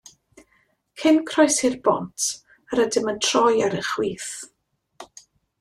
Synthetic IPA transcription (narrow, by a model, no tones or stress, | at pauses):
kʰɪnkʰrɔjsɪrbɔntʰ | əɾədɪməntʰr̥ɔjaɾəχwiːθ